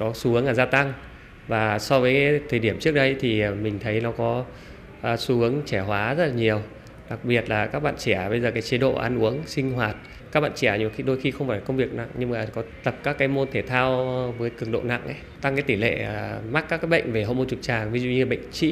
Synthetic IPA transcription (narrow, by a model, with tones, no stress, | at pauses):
kɔ˨˦su˨˦hɨ˨˦əŋlaː˨˩zaː˧t̪a˧ŋ | vaː˨˩sɔ˧vəː˨˦jkːt̪ʰəː˨˩jɗi˧˩əmt͡ɕɨ˦˥ək̚ɗə˧jt̪ʰi˨˩˨mï˨˩ŋ̟t̪ʰə˨˦jnɔ˨˦kɔ˨˦ | ʔːsu˨˦hɨ˨˦əŋt͡ɕɛ˧˩ɦwaː˨˦zə˦˥t̚laː˨˩ɲi˨˩əw | ɗa˨˩k̚ɓi˨˩ə˩t̚laː˨˩kaː˦˥k̚ɓa̰ː˧˨nt͡ɕi˧˩a˨˩ɓə˧jzəː˨˩kaː˨˦jt͡ɕi˧˨˦ɗo̰˧˨ʔa̰ː˧nʔu˨˦əŋsï˧ŋ̟ɦwaː˨˩t̚ | kaː˦˥k̚ɓa̰ː˧˨t͡ɕi˧˩aː˧˩ɲ˨˩˨xi˧ɗo˧jxi˧xə˧wŋ͡mfaː˧˩la˨kə˧wŋ͡mvi˨˩ək̚na̰˧˨ŋɲɨ˧ŋmaː˨˩kɔ˨˦t̪ə˨˩p̚kaː˦˥kːaː˨˦jmo˧nt̪ʰe˧˩t̪ʰaː˧wvəː˨˦jkɨ˧˩əŋɗo̰˧˨na̰˧˨ŋʔə˨˦jt̪a˧ŋkaː˨˦jt̪i˧˩lḛ˧˨˩ma˦˥k̚kːaː˦˥kːaː˨˦jɓə̰˧˨ŋ̟ve˨˩ɦo̰˧˨mo˧nt͡ɕu˨˩k͡p̚t͡ɕaː˨˩ŋvi˨˦zṵ˧˨ɲɨ˧ɓə̰˧˨jŋ̟t͡ɕḭ˧˥